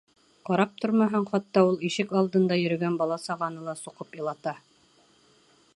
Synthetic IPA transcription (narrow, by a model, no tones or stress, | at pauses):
qɑɾɑp̚t̪ʰoɾmɑɦɤɴχɑt̪ːɑulˠiʃɘkɑlˠd̪ɤ̆nd̪ɑjɵ̆ɾɵ̆ɡænbɑlˠɑsɑʁɑnɤlˠɑsuqɤpɤlˠɑt̪ɑ